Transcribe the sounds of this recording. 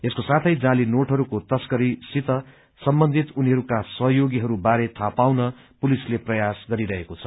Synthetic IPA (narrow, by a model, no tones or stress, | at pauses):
eskosat̪ʰʌjd͡zãlinoʈɦʌɾukot̪ʌskʌɾisit̪ʌ | sʌmbʌnd̪ʱit̪uniɦʌɾukasʌɦjoɡiɦʌɾubaɾet̪ʰapawnʌ | pulisleprʌjasɡʌɾiɾʌɦekot͡sʰʌ